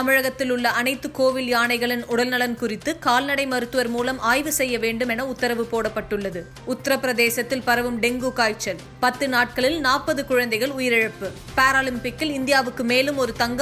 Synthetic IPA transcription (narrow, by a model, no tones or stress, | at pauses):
ɐmɪɻɐɣɐt̪ːɪlʊɭːɐɐnɐɪt̪ːɯkoːʋɪljaːɳɐɪɣɐɭɪnʊɽɐlnɐlɐnkʊrɪt̪ːɯkaːlnɐɽɐɪmɐɾɯt̪ːɯʋɐɾmuːlɐmʔaːjʋɯsɛjːɐʋeːɳɖɯmɛnɐʊt̪ːɐɾɐʋɯpoːɽɐpːɐʈːɯɭːɐðɯ | ʊt̪ːɐɾɐpːɪɾɐðeːsɐt̪ːɪlpɐɾɐʋɯmɖɛŋɡukaːjt͡ʃːɐl | pɐt̪ːɯnaːʈ̚kɐɭɪlnaːpɐðɯkʊɻɐnd̪ɐɪɣɐɭʊjɪɾɪɻɐpːɯ | paːɾaːlɪmpɪkːɪlɪnd̪ɪjaːʋɯkːɯmeːlɯmɔɾɯt̪ɐŋɡ